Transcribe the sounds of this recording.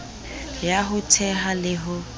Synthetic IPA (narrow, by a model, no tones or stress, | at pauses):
jaɦʊtʰɛɦalɪɦʊ